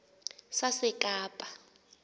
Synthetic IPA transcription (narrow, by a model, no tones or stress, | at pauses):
sasɪkʼaːpʼḁ